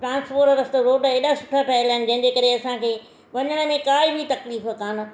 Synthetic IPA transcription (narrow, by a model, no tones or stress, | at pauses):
ʈɾãːnspoːɾɐɾɐst̪əɾoːɖeːɗasʊ̥ʈʰaʈʰaːɪlaːɪnɪ̆d͡ʑɐ̃ɦɪ̃ɲd͡ʑeːkɐɾeɐsãkʰeː | ʋɐɲəɽ̃ə̆mẽkaːibʱit̪ɐkliːfə̆kaːnʊ̆